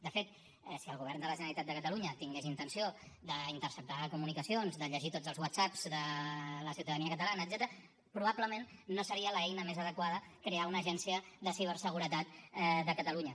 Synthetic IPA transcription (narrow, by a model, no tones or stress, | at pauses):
d̪əfet̪ | ɛsiəlˠɣuβɛɾnd̪ələʒənəɾit̪at̪̚d̪əkət̪əluɲət̪iŋɡezint̪ənsioðəint̪əɾsəp̚t̪akumunikəsionzd̪əʎəʒit̪odzəlˠzɣwat̪sapz̥ðələsiwt̪əðəniəkət̪əlanəːd̪zɛt̪əɾə | pɾuβ̞abləmenːosəɾiələɛjnəmezəðəkwaðəkɾeaunəːʒɛnsiəðəsiβəɾsəɣ̞uɾət̪at̪̚ðəkət̪əluɲə